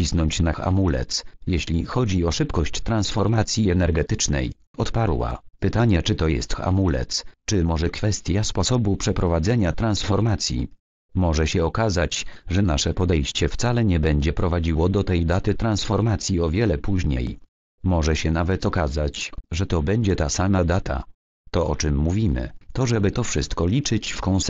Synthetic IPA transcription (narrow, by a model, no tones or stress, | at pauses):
isnɔɲt͡ɕnaxa̰mulɛ̰t̪sjeɕlʲixɔd͡ʑiɔʂɘpkɔɕt͡ɕt̪ɾansfɔɾmat̪sʲjiɛnɛɾɡɛt̪ɘt͡ʂnɛ̰j | ɔt̪paɾwa̰pɘt̪aɲɛt͡ʂɘt̪ɔjɛ̰st̪xa̰mulɛ̰t̪st͡ʂɘmɔʐɛkfɛst̪ʲjaspɔsɔbupʂɛpɾɔvad̪zɛɲat̪ɾansfɔɾmat̪sʲjḭ | mɔʐɛɕɛɔkazat͡ɕʐɛna̰ʂɛpɔd̪ɛjɕt͡ɕɛft̪salɛɲɛbɛɲd͡ʑɛpɾɔvad͡ʑiwɔd̪ɔt̪ɛjd̪at̪ɘt̪ɾansfɔɾmat̪sʲjiɔvʲjɛlɛpuʑɲḛj | mɔʐɛɕɛnavɛt̪ɔkazat͡ɕʐɛt̪ɔbɛɲd͡ʑɛt̪asamad̪at̪ʰa̰ | t̪ɔɔt͡ʂɘmːuvʲimɘ̰t̪ɔʐɛbɘt̪ɔfʂɘst̪kɔlʲit͡ʂɘt͡ɕfkɔ̃w̃s